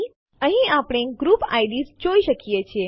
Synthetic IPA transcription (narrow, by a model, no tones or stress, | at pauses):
əɦĩapɽ̃eɡɾupa̰jɖizd͡ʒoiʃəkijet͡ʃʰe